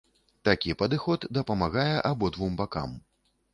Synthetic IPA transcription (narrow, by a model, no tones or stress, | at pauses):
t̪akʲipɐd̪ɨxɔt̪d̪ɐpɐmaɣajɛʔabɔd̪vumbaka̰m